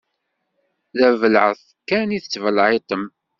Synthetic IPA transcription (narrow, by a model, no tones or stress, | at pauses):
ðævəlʕəθ | kæniθət͡sːvəlʕet̪ˤəm